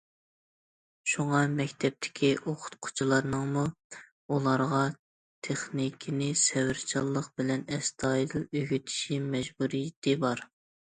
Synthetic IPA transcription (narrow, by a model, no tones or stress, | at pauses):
ʃuŋɑmɛkʲt̪ʰɛp̚t̪ʰɪ̥kʲʰiʔoqʰʊ̥t̪qʰʊ̥t͡ʃʰilˠɑɾnɨŋmu | ulˠɑɾʁɑ | t̪ʰeχnikʲʰinɪsɛwɪɾt͡ʃʰɑlˠːəqb̥ɪlɛnɛst̪ʰɑjid̪ɨlˠøɡʲyt̪ʰi̥ʃimɛʒbuɾijit̪ʰɪbɑɾ